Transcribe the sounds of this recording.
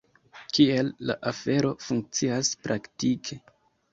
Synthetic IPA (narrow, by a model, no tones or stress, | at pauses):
kie̞lːa̰ʔafe̞ɾo̞fuŋk̚t͡siaspɾʔaktikʰe̞